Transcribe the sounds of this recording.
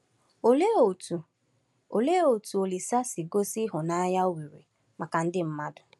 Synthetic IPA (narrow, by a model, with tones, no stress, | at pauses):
o˨le˦o˨tu˨ | o˨le˦o˨tu˨o˨li˨sa˦si˨ɡo˦si˦ɦʊ˨na˦ja˦wi˨ɾḭ˨ | ma˨ka˨n̩˦dɪ˦m̩˦ma˦dʊ˨